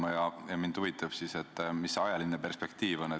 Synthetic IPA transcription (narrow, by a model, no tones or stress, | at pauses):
mɑjɑjɑmind̪̥uvit̪ːˑɑb̥sise̞t̪ːˑmisɑjɑlinːepe̞rspe̞k̚t̪iːvo̞ne